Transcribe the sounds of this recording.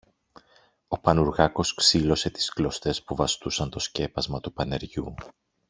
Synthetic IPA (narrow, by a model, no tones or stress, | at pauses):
o̞pɐnuɾɣɐko̞sksilo̞se̞t̪i̥sklo̞st̪e̞spuvɐst̪usɐnt̪o̞sce̞pɐzmɐt̪upɐne̞ɾʝu